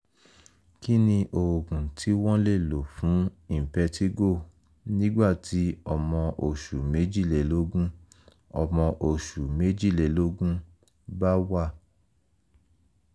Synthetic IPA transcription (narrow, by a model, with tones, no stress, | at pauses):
ki˦nĩ˧ʔo˨ɡũ˨tʰi˨˦wɔ̃˦le˦˨lo˨fũ˨˦i˦˨pɛ˧tʰi˦ɡo˦˨ | nĩ˦ɡ͡ba˦˨tʰi˨˦ɔ˦˧mɔ̃˧ʔo˨ʃu˨me˨˦d͡ʒi˦˨le˨lo˨˦ɡũ˦ | ɔ̰˧mɔ̃˧ʔo˨ʃu˨me˨˦d͡ʒi˦˨le˨lo˦ɡũ˦ | ba˦wa˦˨